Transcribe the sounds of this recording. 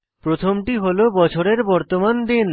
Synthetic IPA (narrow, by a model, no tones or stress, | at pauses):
pɾot̪ʰomʈiɦolobɔt͡ɕʰoɾeɾbɔɾt̪omand̪in